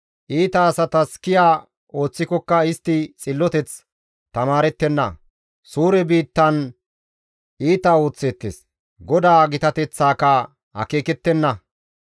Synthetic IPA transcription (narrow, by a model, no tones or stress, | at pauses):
ʔiːt̪ɐːsɐt̪ɐskɪjaː | o̞ːt͡sːɪkɔkːɐɪst̪ːɪt͡sʼɪlːɔt̪ɛt͡s | t̪ɐmaːɾɛt̪ːɛnːɐ̰ | suːɾɛbiːt̪ːɐn | iːt̪ɐo̞ːt͡sːeːt̪ːḛs | ɡɔd̪aːɡɪt̪ɐt̪ɛt͡sːaːkɐ | hɐ̰ke̞ːkɛt̪ːɛnːɐ